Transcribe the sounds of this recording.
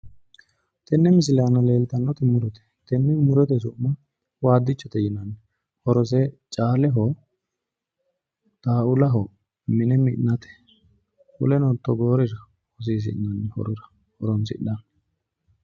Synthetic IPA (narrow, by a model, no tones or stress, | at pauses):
t̪ɛnːɛmɪs̬ɪlaːnɐle̞ːlt̪ɐnːɔt̪ɪmʊɾɔt̪ɛ̥t̪ɛnːɛmʊɾɔt̪ɛsʊʔmːɐ | waːd̪ːɪt͡ʃːɔt̪ɛjɪnɐnːɛ | hɔɾɔs̬ɛt͡ʃʼaːlɛɦo | d̪̥aːʊlɐɦɔ | mɪnɛmɪʔnːɐt̪ɛ̥ | hʊ̰lɛnɔt̪ːɔɡo̞ːɾɪsɐ | ɔs̬iːs̬ɪ̰ʔnɐnːɛhɔ̰ɾʊɾɐ̥ | hɔɾɔnsɪ̰ᶑɐan